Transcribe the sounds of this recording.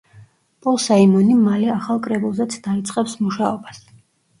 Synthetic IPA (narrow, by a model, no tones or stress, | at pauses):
pʼɔlˠsaimɔnimalɛaχalˠkʼɾɛbulˠzɛt̪sʰd̪̥ait̪sʼqʼɛpsmuʃaɔbas